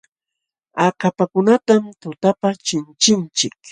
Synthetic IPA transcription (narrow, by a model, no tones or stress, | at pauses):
akapakʊnat̪amt̪ʊt̪apat͡ʃɪnt͡ʃɪnt͡ʃɪk